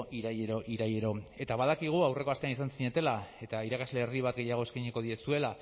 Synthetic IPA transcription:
ʔiɾajeɾo̞ʔiɾajeɾo̞e̞t̪aβað̞akiɣ̞uawre̞ko̞ast̪e̞anisansiɲe̞t̪e̞lae̞t̪aiɾakazle̞ːriβ̞at̪ɡe̞jaɣ̞oeskaɲeko̞ðie̞sue̞la

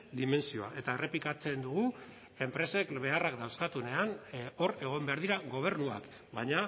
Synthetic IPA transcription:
d̪ime̞nsio̞a̰ʔe̞t̪ae̞re̞plikat͡se̞nd̪uɣu | e̞mpɾe̞se̞kbe̞arakd̪awskat̪une̞ano̞ɾe̞ɣ̞o̞mbe̞aɾðiɾaɣo̞β̞e̞ɾnua̰k | bajɲa

